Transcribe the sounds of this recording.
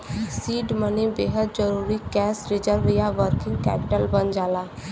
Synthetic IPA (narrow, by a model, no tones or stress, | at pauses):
siːɖmənebeːɦəd̪̚d͡ʒəɾuːɾikɛːsɾɪd͡ʒəɾʋijaʋəɾkɪ̃ŋɡkɛ̰ːpɪʈəlbənd͡ʒaːlaː